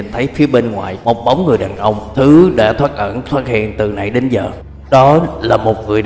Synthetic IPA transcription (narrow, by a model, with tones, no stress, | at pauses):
i˨˩nt̪ʰə˨˦jfi˨˦əɓe˧nŋwa̰ː˧˨˩jmo˨˩t̚ɓa˨˦wŋ͡mŋɨ˨˩əjɗaː˨˩nʔə˧wŋ͡mt̪ʰɨ˨˦ɗa̰ː˧˥t̪ʰwaː˦˥t̚ʔə̰˧˩nt̪ʰwaː˦˥t̚hḭ˧˨ənt̪ɨ˨˩na̰˧˩jɗe˨˦nzəː˨˩ | ɗɔ˨˦laː˨˩mo˨˩t̚ŋɨ˨˩əj